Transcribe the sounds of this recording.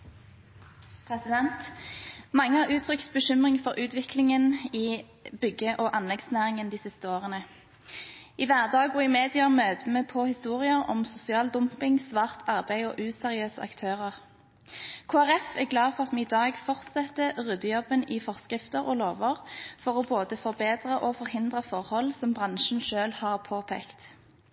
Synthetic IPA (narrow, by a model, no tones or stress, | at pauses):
pʰʁɛsɪd̪ɛnt̪mɑŋːəhɑːʁʉːt̪ʰʁʏkt̪bəʃʏmʁɪŋfɔʁʉːt̪ʋɪkʰlɪŋəniː | bʏɡəʔoːʔɑnlɛɡ̪snæːʁɪŋənd̪iːsɪst̪əoːʁənə | iʋæːʁd̪ɑːɡʊɪmeːd̪ɪɑmøːd̪əmeːpʰɔhɪst̪uːʁɪəɔ̰msʊsɪɑːld̪ʊmpɪŋsʋɑːʁt̪ʰɑʁbæɪɔ̰ːʔʉːsɛʁɪøːsə̰ʔɑ̰kt̪ʰøːʁəʁ | kʰoːæʁɛfæɡlɑːfɔʁɑt̪mɛːɪd̪ɑːɡfɔʁt̪sɛt̪ːəʁʉd̪əjɔbəniːfɔʁskʁɪft̪əʁo̰loːʋəʁfɔʁɔːboːd̪əfɔʁbeːd̪ʁəʔɔfɔʁhɪnd̪ʁəfɔʁhɔlsɔmbʁɑnʃn̩ʃøːlhɑːʁpʰoːpʰḛːkt̪